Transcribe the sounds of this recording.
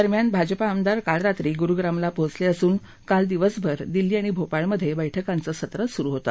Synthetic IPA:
əɾmjanbʱad͡ʑpaːmd̪aɾkaɭɾat̪ɾiːɡuɾuɡɾamlapõt͡sleəsuːn | kald̪iʋəsbʱəɾd̪ilːiːaɽ̃ibʱopaɭməd̪ʱːjebəjʈʰəkant͡səːsət̪ɾəsuɾuːɦot̪a̰

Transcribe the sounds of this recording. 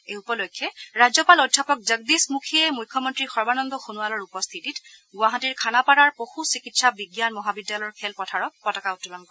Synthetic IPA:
eupɔlojkʰːjɔɹazɔpalodʱːapɔk̚zəɡ̚dismukʰiɛmujkʰːɔmɔntɹixɔɹbanɔŋdɔxunualɔɹupɔst̪ʰitit | ɡuwaɦatiɹkʰanapaɹaɹpoxusikitsabiɡjanmɔɦabidːjalɔɔɹkʰɛlpɔtʰaɹɔk̚pɔtɔkaʊtːulɔnkɔɛ

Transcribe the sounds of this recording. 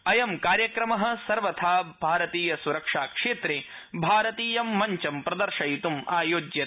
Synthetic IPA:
ɐjɐmkaːɾjɐkɾɐmɐɦɐ̆sɐɾʋɐt̪ʰaːbʱaːɾɐt̪iːjɐsuɾɐkʂaːkʂeːt̪ɾeː | bʱaːɾɐt̪iːjɐmːɐɲt͡ʃɐmpɾɐd̪ɐɾʃɐjit̪umaːjoːd͡ʒjɐ

